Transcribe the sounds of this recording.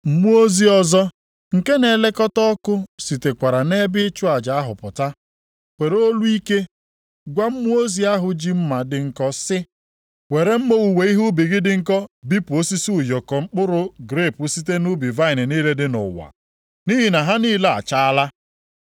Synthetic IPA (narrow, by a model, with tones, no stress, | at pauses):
m̩˦mu˦o˦zi˦ɔ˦zɔ˦ | ŋ̩˨ke˦ne˨le˦kɔ˦tɔ˦kʊ˦si˨te˨kʷa˨ɾa˨ne˦bɪ˦t͡ʃʊ˦a˨d͡ʒa˨a˦ɦʊ˨pʊ˨ta˦ | kʷe˨ɾo˦lu˦i˦ke˦ | ɡʷa˦m̩˦mu˦o˦zi˦a˦ɦʊ˨d͡ʒi˦m̩˦ma˨dɪ˨ŋ̩˦kɔ˦sɪ˦ | we˨ɾe˦m̩˦mo˦u˨we˨i˦ɦu˦bi˨ɡɪ˦dɪ˨ŋ̩˦kɔ˦bi˦pu˨o˦si˦si˦ʊ˨jɔ˨kɔ˨ŋ͡m̩˦k͡pʊ˦ɾʊ˦ɡɾe˦˨pʊ˦si˦te˦nʊ˦bi˨va˦ɪ˨nɪ˨ni˦le˦dɪ˦nʊ̰˨wa̰˨ | ni˦ɦi˨na˨ɦa˦niː˦le˦a̰˨t͡ʃa˦a˦la˦